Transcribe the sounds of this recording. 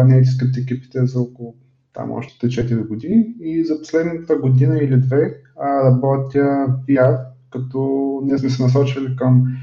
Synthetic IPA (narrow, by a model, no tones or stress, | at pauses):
nɛt̪̬isk̪əp̚t̪iɛkʲipi̥t̪ɛzɐɔkolˠʊ | t̪a̰mɔ̰ʃt̪ɛ̥t̪ɛt͡ʃɛt̪iɾiɡod̪iniːzɐpo̥slɛd̪nət̪əɡod̪inəilid̪vɛ | ɾɐbɔt̪ʲəpiaɾkɐt̪ɔniɛsmɛsɛnɐs̬ɔt͡ʃilikəm